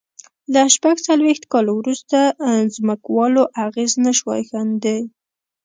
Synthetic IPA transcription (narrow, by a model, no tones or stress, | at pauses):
laʃpaɡt͡salwext̪kɑlwɾust̪azməkwɑloʔaɣeznaʃwɑ̰jxand̪e